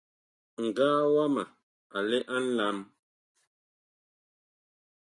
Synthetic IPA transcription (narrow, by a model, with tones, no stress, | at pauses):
ŋ̩˨ɡaː˦wa˦ma˨ | a˨lɛ˦ʔa˦n̩˦la˦m